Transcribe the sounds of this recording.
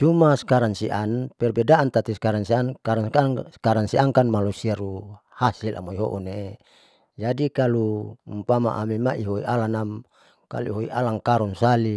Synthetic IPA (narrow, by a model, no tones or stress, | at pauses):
t͡ʃumaskaɾansiʔanpɛrbɛdaant̪at̪iskaɾansiankaɾakaskaɾansiʔaŋkanmalusiaɾu | hasilʔa̰moiɦo̰ʔune | d͡ʒadikalumpama̰ʔamimaiɦoḭʔalanam | ka̰lṵiɦoiʔalaŋkaɾunsali